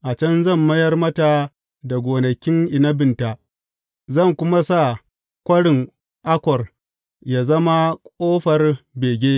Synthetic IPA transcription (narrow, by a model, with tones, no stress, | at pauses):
ʔa˨t͡ʃɐ˦nzɐ˦˨mːɐ˦jɐ˦rmɐ˦ta˨ | da˨ɡʷoː˨nɐ˨kʲɪ˦ŋʔɪ˨nɐ˦bɪ˨nta˨ | zɐ˦˨ŋkʷʊ˦ma˦sa˦˨ | kʷɐ˦ɽɪ˨ŋ | ʔa˦kʷɔ˨r | ja˨zɐ˦ma˦kʷʼoː˦ɸɐ˨rbeː˨ɡʲeː˦